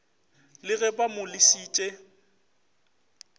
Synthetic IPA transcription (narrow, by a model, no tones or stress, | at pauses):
lɪɣɛbamʊlɪsiːt͡ʃʼɛ